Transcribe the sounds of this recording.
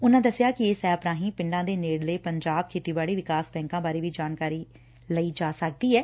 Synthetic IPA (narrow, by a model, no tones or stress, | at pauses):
ʊnãːd̪əsɪjaːkɪeːsɛːpɾãːɦĩːpɪ̃ɳɖãːd̪eːneːɽleːpəɲd͡ʒaːb̚kʰeːt̪iːbaːɽiːʋɪkaːsbɛ̃ːŋkãːbaːɾeːʋiːd͡ʒaːnkaːɾiː | ləiːd͡ʒaːsək̚d̪iːɦɛː